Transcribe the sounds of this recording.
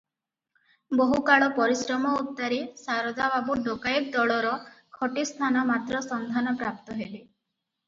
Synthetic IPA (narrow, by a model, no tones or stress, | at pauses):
boɦukaɭɔpɔɾisɾɔmɔut̪ːaɾesaɾɔd͡ʒababuɖokajik̚d̪ɔɭɔɾɔkʰɔʈist̪ʰanɔmat̪ɾɔsɔnd̪ʱanɔpɾap̚t̪ɔɦeli